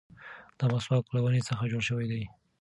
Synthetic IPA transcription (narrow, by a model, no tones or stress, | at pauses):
d̪̥amaswɑklawənet͡səxad͡ʒoɽʃəwajd̪aj